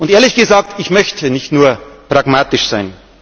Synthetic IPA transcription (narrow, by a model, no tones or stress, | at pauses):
ʔʊnteːɐlɪçɡ̥əzaːk̚tɪçmœçtʰənɪçtnuːɐpʁ̥aɡmaːtɪʃz̥aɪn